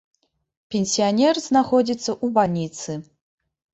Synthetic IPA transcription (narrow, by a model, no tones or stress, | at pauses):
pʲenʲsʲijanʲɛrznaxɔd͡zʲit̪sːɐʔubalʲnʲit̪sɨ